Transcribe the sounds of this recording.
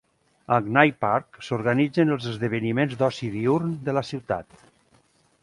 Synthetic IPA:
əɡnajpaɾksoɾɣanid͡zənəlˠzəzðəβənimenzd̪ɔsiðiuɾnd̪ələsiwt̪a̰t̪̚

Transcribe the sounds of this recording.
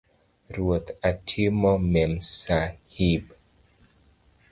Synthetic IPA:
ɾwot̪atʰimɔmɛmsahib

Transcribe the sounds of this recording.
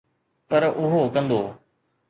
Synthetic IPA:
pɐɾʊɦokɐ̃nd̪oː

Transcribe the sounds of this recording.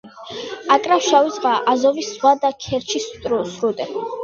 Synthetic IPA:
akʼɾafʃawizʁaʔazɔvisːvwad̪akʰɛɾt͡ʃʰisʼsɾud̪ɛ

